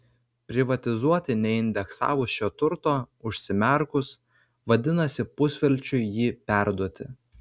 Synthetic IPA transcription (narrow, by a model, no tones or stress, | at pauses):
pʲɾʲɪʋɐt̪ʲɪzuɔt̪ʲɪnʲɛɪnʲd̪ʲɛksɑ̰ːʋʊsʃʲoːt̪ʊɾt̪oːʊʃʲsʲɪmʲɛˑɾkʊs | ʋɐd̪ʲɪnɐsʲɪpʊsʲʋʲɛlʲˑt͡ʃʲʊɪjiːpʲæˑɾd̪uɔt̪ʲɪ̰